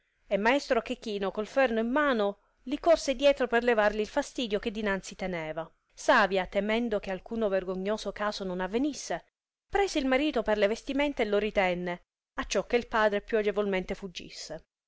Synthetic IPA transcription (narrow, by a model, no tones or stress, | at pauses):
emːaest̪ɾok̟ekːiːnokolfɛrnoimːaːno | likorsed̪jɛːt̪ɾoperlevarliːlfast̪iːd̪jok̟ed̪ːinant̪sit̪enɛːva | saːvjat̪emɛnd̪okealkuːnoverɡoɲːoːsokaːsononavːenisːe | pɾɛːseilmaɾiːt̪operlevest̪iment̪eelːoɾit̪ɛnːe | at͡ʃːɔkːeilpaːd̪ɾepjuad͡ʒevolment̪efud͡ʒːḭsːe